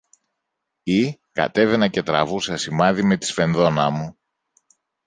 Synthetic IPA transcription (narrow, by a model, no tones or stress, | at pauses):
ikɐ̰t̪e̞ve̞nɐce̞t̪ɾɐvusɐsimɐðime̞t̪i̥sfe̞nðo̞nɐmu